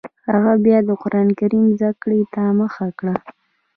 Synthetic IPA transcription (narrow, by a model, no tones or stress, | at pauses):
haɣabjɑd̪əqʊɾʔɑnkaɾimzakɽet̪aməxakɽa